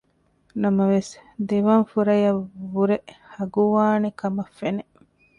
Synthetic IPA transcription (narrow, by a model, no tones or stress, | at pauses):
nɐmɐʋesd̪eʋɐnfuɾɐjɐʋuɾehɐɡuʋaːnekɐmɐfːene